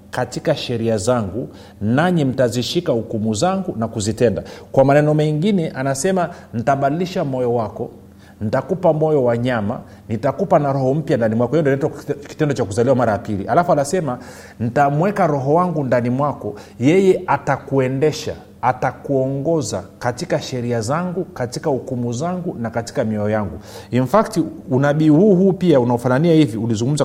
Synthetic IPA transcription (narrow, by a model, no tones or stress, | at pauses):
katikaʃɛɾiazaŋɡu | naɲim̩taziʃikahukumuzaŋɡunakuzitɛndakwamanɛnɔmɛŋɡinɛʔanasɛman̩taɓaɗiliʃamɔjɔwakɔ | nitakupamɔjɔwaɲama̰ | nitakupanaɾɔhɔm̩pjandanimwakɔjɛjɛndɔnɛtɔki̥tɛndɔt͡ʃakuzaliwamaɾajapilḭʔalafuanasɛma | nitamwɛkaɾɔɦɔwaŋɡundanimwakɔ | jɛjɛʔatakuɛndɛʃa̰ | atakuɔŋɡɔzakatikaʃɛɾiazaŋɡukatikahukumuzaŋɡunakati̥kamiɔɔjaŋɡuinfaktiunaɓiːhuːhuːpiaunaɔfananiahiviulizuŋɡum̩za